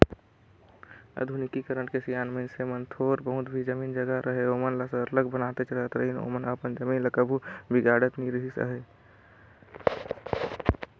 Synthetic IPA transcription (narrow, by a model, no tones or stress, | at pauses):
ə̰d̪ʱunɪkikəɾəɽkesijaːnməɪnsemənt̪ʰoːɾbəɦʊt̪bʱid͡ʒəmiːnd͡ʒəɡaɾʔəɦeoːmənləsəɾləɡbənaːt̪et͡ʃɾəɦət̪ɾəɦino̰ːmənəpənd͡ʒəmiːnləkəbʱubɪɡaːɽət̪niɾɦisə̰ɦe